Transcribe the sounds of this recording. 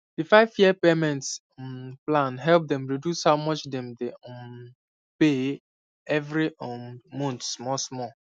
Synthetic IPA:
difaɪvjiəpemɛ̃nts | plãnɦɛlp̚dɛ̃mɹidjushaʊmɔt͡ʃdɛ̃mdɛɔm | pe | ɛvɹiɔmɔ̃ntsmɔsmɔ

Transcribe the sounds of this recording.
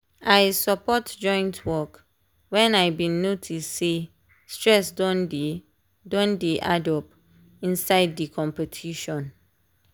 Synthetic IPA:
ajsapɔtd͡ʒɔ̃j̃ntʰwɔk | wɛ̃najbĩnotʰise | stɹɛsdɔ̃nd | dɔ̃ndeʔadɔp | ĩnsaɪddikʰɔ̃mpɛtʰiʃɔ̃n

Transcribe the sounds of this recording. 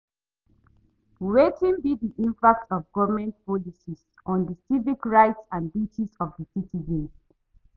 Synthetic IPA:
ɹetʰĩnbidiʔĩmpak̚tɔvɡɔvəmɛ̃nt̚pɔlisis | ʔɔ̃ndəsivikɹaɪtsãnbit͡ʃisɔvdəsitʰizə̃ns

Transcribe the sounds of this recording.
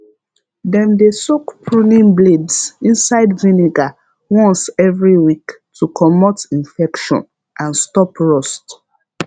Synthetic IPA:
dɛ̃mdesokpʰɹunĩnbledsĩnsaɪdvĩniɡa | wɔ̃nsɛvɹiwik | tʰukʰɔmɔtĩnfɛkʃɔ̰̃n | ʔãnstɔpɹɔst

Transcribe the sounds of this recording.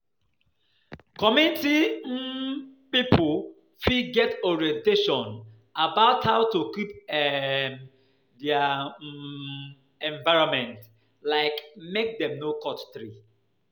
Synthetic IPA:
kɔmĩnti | pipʰul | fiɡɛtɔɹiɛ̃nteʃɔ̃n | abaʊthaʊtukip̚ɛ | dɛa | ɛ̃ɱvaɪɹɔ̃mɛ̃nt | laɪkmek̚dɛ̃mnokɔtθɹi

